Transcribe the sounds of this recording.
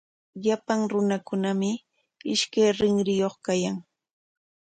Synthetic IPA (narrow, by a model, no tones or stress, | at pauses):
ʎapaŋɾʊnakʊnamɪ | ɪʃkajɾɪŋɾɪjoχkajaŋ